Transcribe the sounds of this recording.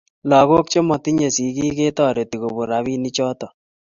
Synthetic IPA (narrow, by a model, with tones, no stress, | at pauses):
lɔ˨ɣo˦k̚t͡ʃe˦mɔ˨ti˦ɲe˨si˨ki˦ke˦tɔ˦˨ɾe˨ti˨ɣo˨bo˨ɾa˨βi˦ni˦t͡ʃɔ˦tɔ˨